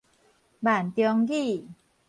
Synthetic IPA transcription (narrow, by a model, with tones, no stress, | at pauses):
baː˨˩nt̪i˧ɔ˧ŋɡiː˥˩